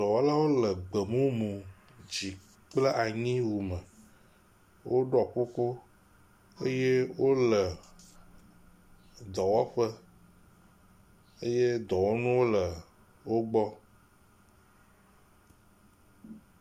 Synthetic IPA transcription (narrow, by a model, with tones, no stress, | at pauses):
d̪ɔ˨wɔ˦la˦wo˦lə˨ɡ͡bə˨mũ˦mũ˨ | d͡ʑi˨ | k͡plə˦ʔa˨ɲĩ˦wu˨mə̃˨ | wo˦ɖɔ˨ɸo˦ko˦ | e˦je˦wo˦lə˨ | d̪ɔ˨wɔ˦ɸə˦ | e˦je˦d̪ɔ˨wɔ˦nũ˦wo˦lə˨ | wo˦ɡ͡bɔ˦